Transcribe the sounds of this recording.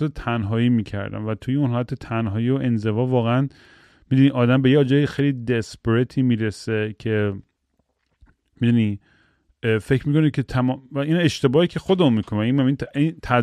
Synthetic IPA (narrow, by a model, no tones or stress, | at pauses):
et̪ʰænɦɒːjiːmiːcʰæ̰ɾd̪æ̰mvæt̪ʰujeunɦɒːlæt̪ʰet̪ʰænɦɒːjiːoʔe̞nze̞vɒːvɒːɣeæn | mid̪uniʔɒːd̪æmbe̞jeːd͡ʒɒːjexejliːd̪espeɾet̪ʰiːmiːɾesecʰe̞ | mid̪uni | fe̞cʰmiːkʰo̞necʰet̪ʰæmːvæine̞ʃt̪e̞bɒːhicʰe̞xod̪emunmiːkʰonæinæminint̪ʰæ